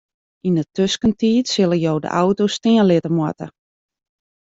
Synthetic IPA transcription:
indətøskəntiːtsɪləjoːdə̰ʔawtostɪənlɪtəmwa̰tə̰

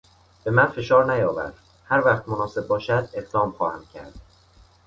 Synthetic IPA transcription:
b̥e̞mænfe̞ʃɒːɾnæjɒːvæ̰ɾd̪ | hæɾvæχt̪̚monɒːse̞b̚ːɒːʃæd̪e̞ɣd̪ɒːmχɒːhæmcʲʰæɾd̪̥

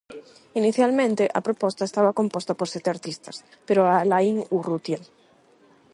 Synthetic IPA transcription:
iniθjalmẽnt̪eʔa̰pɾopost̪aest̪aβako̞mpost̪apoɾset̪eaɾt̪ist̪as | peɾoalaiŋurut̪jen

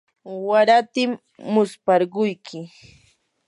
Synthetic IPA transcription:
waɾat̪ɪmː | ʊspɑɾɢʊjkʰɪ

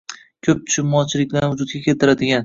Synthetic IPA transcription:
kʲʰɵp̚t̪ʰʊ̥ʃɪmːɒt͡ʃʰɪlɪkʲlanvʊd͡ʒʊd̪̚ɡʲakʲʰe̞lt̪ʰɪɾad̪ɪɡʲan

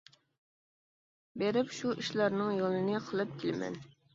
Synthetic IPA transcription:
beɾɪpʃuiʃlˠɑɾnɨŋjolˠɨnɨqʰəlˠɨp̚kʲʰɪlɪmɛ̰n

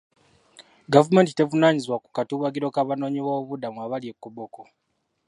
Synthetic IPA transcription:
ɡavume̞ntite̞vunaːɲizwaku̥katuβwaɡiɾo̞kaβano̞ːɲiβouβudamuaβalje̞kːuβoko

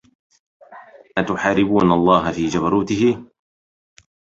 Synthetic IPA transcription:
ʔat̪ʊħaːɾɪbuːnalˤːɑːɦafiːd͡ʒabɑɾˤuːt̪ɪhɪ

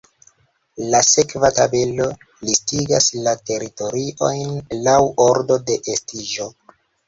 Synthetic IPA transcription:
lase̞kvatabe̞lo̞ | listiɡaslate̞ɾito̞ɾiʔo̞jnlawo̞ɾdo̞de̞ʔestiʒo̞

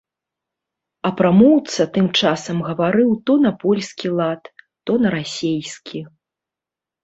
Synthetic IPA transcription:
ɐpɾamɔwt̪sɐt̪ɨmt͡ʂasɐmɣɐvaɾɨwt̪ɔnɐpɔlʲsʲkʲilˠat̪ː | ɔnɐɾasʲejskʲʰi

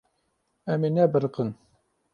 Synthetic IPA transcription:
ɛmenɛbɨɾqən

